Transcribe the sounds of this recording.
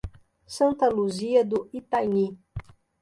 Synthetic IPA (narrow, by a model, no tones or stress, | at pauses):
sɐ̃nt̪ɐluziɐd̪ʊit̪ajni